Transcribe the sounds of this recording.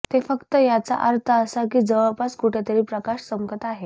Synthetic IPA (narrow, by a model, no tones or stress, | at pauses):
t̪efəkt̪əjat͡sa̰ʔaɾt̪ʰəːsak̬iːd͡zəʋəpaskuʈʰjat̪əɾiːpɾəkaʂsəmkət̪aɦe